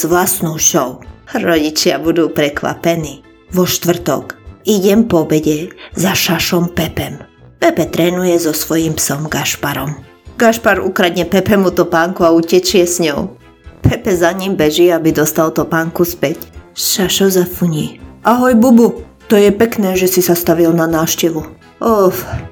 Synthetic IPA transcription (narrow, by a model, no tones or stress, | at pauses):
z̥ʋlasnɔʊʃɔʊɾɔɟit͡ʃɪabud̪uːpɾɛkʋa̰pɛniː | ʋɔʃt̪ʋr̩t̪ɔ̰kiɟɛmpɔbɛɟɛzaʃaʃɔmpɛpɛm | pɛpɛt̪ɾɛːnujɛzɔsʋɔjiːmpsɔmɡaʃpaɾɔm | ɡaʃpaɾṵkɾad̪ɲɛpɛpɛmut̪ɔpaŋkuaucɛt͡ʃɪɛsɲɔʊ | pʰɛpɛzaɲimbɛʒiabid̪ɔst̪alt̪ɔpaŋkuspɛcsʃaʃɔzafuɲiːaɦɔjbubu | t̪ɔjɛpɛknɛːʒɛsisast̪aʋilnanaːfʃcɛʋu | ɔf